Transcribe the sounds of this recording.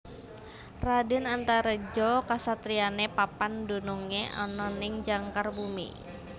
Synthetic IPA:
radɪnant̪aɾəd͡ʒɔkasat̪ɾianepapandonɔŋeʔa̰nɔnɪŋd͡ʒaŋkarbumḭ

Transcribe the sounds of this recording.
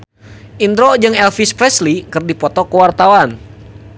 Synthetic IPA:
ʔind̪ɾɔd͡ʒɨŋɛlfispɾɛslikɨrdipɔt̪ɔkuwart̪awan

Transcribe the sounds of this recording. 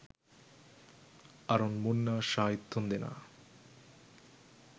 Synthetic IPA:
aɾonmonːaʃait̪ʰːond̪ena̰

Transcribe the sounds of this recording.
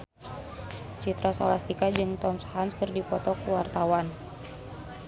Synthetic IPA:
t͡ʃit̪ɾasolast̪ikad͡ʒɨŋt̪ɔmshanskɨrdipɔt̪ɔkuwart̪awan

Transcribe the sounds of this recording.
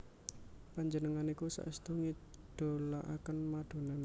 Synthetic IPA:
paɲd͡ʒənəŋanikusa̰ʔəst̪oŋid̪̥o̤laʔa̰kənmad̪̥o̤nan

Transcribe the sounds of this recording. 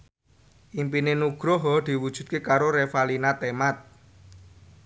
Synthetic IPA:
ʔimpinenuɡ̥ɾɔɦɔd̪̥i̤wud̥ʒ̥ṳt̪̚kekaɾoɾefalinat̪emat̪̚

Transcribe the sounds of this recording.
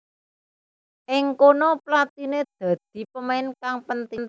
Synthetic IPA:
ʔɪŋkonɔplat̪ined̪̥ä̤d̪̥i̤pəmaɪnkaŋpənt̪in

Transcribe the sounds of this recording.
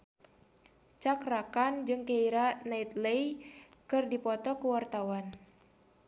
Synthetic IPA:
t͡ʃakrakand͡ʒɨŋkeiɾanait̪lejkɨrdipɔt̪ɔkuwart̪awan

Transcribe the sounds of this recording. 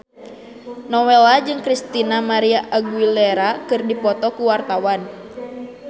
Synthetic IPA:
nɔwɛlad͡ʒɨŋkɾist̪inamaɾiaʔaɡuilɛɾakɨrdipɔt̪ɔkuwart̪awan

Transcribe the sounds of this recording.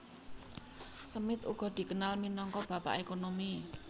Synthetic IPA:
səmɪt̪uɡ̥ɔ̤d̪̥i̤kənalminɔŋkɔb̥ä̤pa̰ʔekonomi

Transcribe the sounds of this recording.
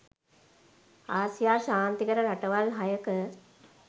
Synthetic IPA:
aːsijaːʃaːnt̪ikəɾəɾaʈəʋalɦajəkə

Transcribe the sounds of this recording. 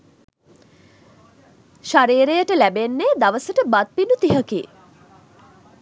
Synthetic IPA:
ʃaɾiːɾejəʈəlæbenːeːd̪aʋəsəʈəbat̪̚pinut̪iɦəkḭː

